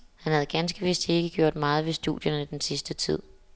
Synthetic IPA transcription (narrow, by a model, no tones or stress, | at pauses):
hænhæð̞̩ˠɡ̥ænsɡ̥əʋesd̥e̝ɡ̥əɡ̥jo̝ɐ̰d̥mɑ̈ːð̞̩ˠʋe̝sd̥ṵð̰ˠjɐnəid̥ensisd̥ət͡sʰið̞̰ˠ